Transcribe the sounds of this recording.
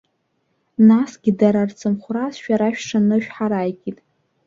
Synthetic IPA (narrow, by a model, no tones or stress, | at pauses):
nasɡʲɪdaɾart͡sʰɨmχʷrazʃᶣaɾaʃᶣʈ͡ʂʰanɨʃᶣħaɾajkʼitʼ